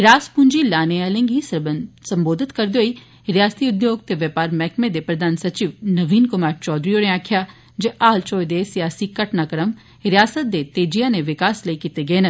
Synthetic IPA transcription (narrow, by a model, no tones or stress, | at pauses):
ɦɾaːspʊnd͡ʒiːlaːneaːlẽŋɡiːssəmboːd̪ɪt̪kəɾd̪eɦoːiː | ɾɪjaːst̪iʊd̪joːɡt̪eːʋjəpaːɾmɛːkmed̪eːpɾəd̪aːnsət͡ʃiːʋnəʋiːnkʊmaːɾt͡ʃɔːd̪ɾiːoːɽẽaːkʰjaː | d͡ʒeʔaːlt͡ʃoːjd̪eːsɪjaːsiːkəʈnaːkɾəm | ɪɾɪjaːsət̪̚d̪eːt̪eːd͡ʒijãːneʋɪkaːsləikiːt̪eɡəeːnə